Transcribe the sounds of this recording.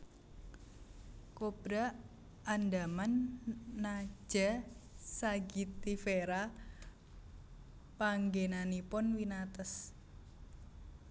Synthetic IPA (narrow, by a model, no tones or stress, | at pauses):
kob̥ɾa | andamanː | ḁd͡ʒ̥asaɡit̪ifeɾa | paŋɡenanipʊnwinat̪əs